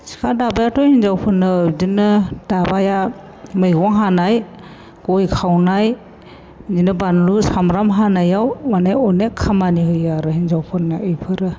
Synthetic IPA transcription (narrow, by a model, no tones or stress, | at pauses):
si̥kʰadabajatɔhinzawpʰɯnːɯːdinɯd̥abaja | mɯjɡɔŋɦanaj | ɡ̥ɔjkʰawnaj | zinɯbanlusamɾamɦanajawmanajɔnekʰamaniɦɯjaɾɯhinzawpʰɯnːaɯjpʰɯɾɯ